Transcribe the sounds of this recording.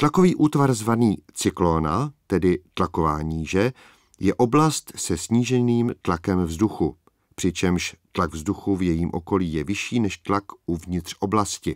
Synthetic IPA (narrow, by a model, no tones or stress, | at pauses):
t̪lako̞viːʔuːt̪vaɾzvaniːt͡sɪklonat̪ɛdɪt̪lako̞vaːɲiːʒɛ | jɛʔo̞blast̪sɛsɲiːʒɛniːmt̪lakɛmvzduxu | pr̝̥ɪt͡ʃɛmʃt̪laɡvzduxuvjɛjiːmʔo̞̰ko̞liːjɛvɪʃiːnɛʃt̪lakuvɲɪt̪r̝̥ʔo̞blascɪ